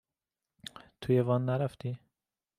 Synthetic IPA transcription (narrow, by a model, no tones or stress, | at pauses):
t̪ʰujevɑnːæɾaft̪i